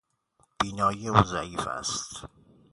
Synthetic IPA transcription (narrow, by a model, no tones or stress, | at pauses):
b̥iːnɒːjieunzæiːfæ̰st̪